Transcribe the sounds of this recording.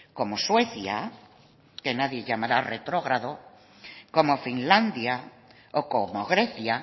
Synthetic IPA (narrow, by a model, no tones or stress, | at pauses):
komosweθja̰ | kenaðjeʎamaɾaret̪ɾoɣɾaðo | komofinlãnd̪ja | okomoɣɾeθja